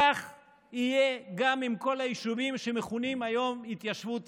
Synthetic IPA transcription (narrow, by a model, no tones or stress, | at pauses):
aχ | ijeɡamimko̞lajiʃuvimʃe̞meχunimajo̞mit̪jaʃvu